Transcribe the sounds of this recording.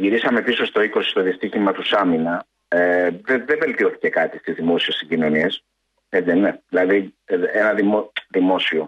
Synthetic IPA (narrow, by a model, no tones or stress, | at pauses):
ʝiɾisɐme̞piso̞st̪o̞iko̞si̥st̪oðist̪içimɐt̪usɐminɐ | eðeðeve̞lt̪io̞θi̥ce̞kɐt̪ist̪izðimo̞siessiɟino̞nies | et͡s̪eneðilɐðienɐðimoðimo̞sio